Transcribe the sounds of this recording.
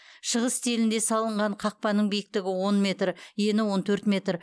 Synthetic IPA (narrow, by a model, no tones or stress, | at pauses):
ʃəʁəst̪ʰelɪnd̪e̞sɑlˠəɴʁɑɴqʰɑq̚pɑnəɴbijɪk̚t̪ɪɡʲɪwo̞nmʲe̞t̪ɾəje̞nɪwo̞nt̪ʰɵɾt̪mʲe̞t̪r